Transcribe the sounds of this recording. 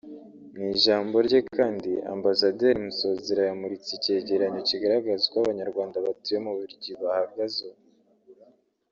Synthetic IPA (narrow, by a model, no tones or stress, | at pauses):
ŋiːʒaːmbo̞ɾɟekʰaːndia̰mbasade̞ɾimuso̞zeɾajamuɾit͡sice̞ːɟe̞ɾaɲociɡaɾaɡazekwaβaɲaɾɡwaːndaβatuje̞muβuɾɟiβahaɡazo